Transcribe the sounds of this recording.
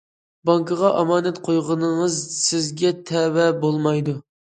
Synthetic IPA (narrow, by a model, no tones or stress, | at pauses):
bɑŋkʰəʁɑʔɑmɑːnɛt̪qʰojʁənɨŋəzsɪzɡʲɛt̪ʰɛwɛbolˠmɑjd̪u